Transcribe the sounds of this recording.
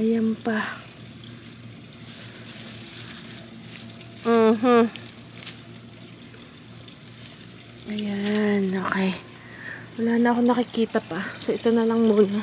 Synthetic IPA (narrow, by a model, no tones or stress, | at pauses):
ɐjampa | m̩ːɦ | ʔɐjanoːkɛj | wɐlaːnɐʔɐko̞nɐkɪkiːt̪ɐpasoʔɪt̪onɐlɐŋmuːna